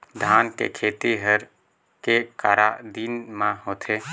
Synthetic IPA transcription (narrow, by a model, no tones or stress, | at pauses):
d̪ʱaːnkḛkʰeːt̪iɦəɾ | kekaːɾad̪inmãɦoːt̪ʰeː